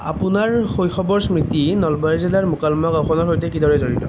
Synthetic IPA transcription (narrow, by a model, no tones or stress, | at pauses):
apʊnaɹxojxɔbɔɹsmɹitinɔlbaɹzilaɹmukalmakawxɔnɔɹɦojtɛkidɔɹɛzoɹitɔ